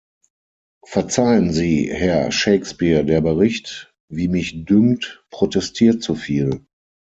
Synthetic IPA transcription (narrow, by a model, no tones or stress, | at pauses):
fɛɐt͡saɪənziːhɛɐʃeɪkspiːɐdeːɐbəʁɪçt | viːmɪçdʏmtpʁ̥otɛstʰiːɐtt͡sufiːl